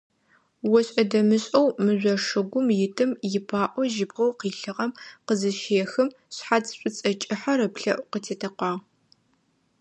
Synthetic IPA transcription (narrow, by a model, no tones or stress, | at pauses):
wɔɕʼɐdɐmɨɕʼɐwmɨʑʷɐʂɨɡʷʊmjɪtʰɨmjɪpʰaːʔʷɔʒɪbʁɐwqiːɬɨʁɐmqəzɨʃeːxɨm | ɕħat͡sɕʷʼʊt͡sʼɐt͡ʃʼɪħɐɾɐpɬɐʔʷqətʰeːtʰɐqʷɑːʁ